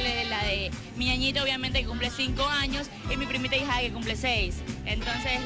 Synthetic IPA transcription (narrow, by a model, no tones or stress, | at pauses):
lelaðe | miaɲit̪aoβjament̪ekekumplesiŋko̞aɲo̞s | imipɾimit̪aixakekumplesejsent̪o̞nse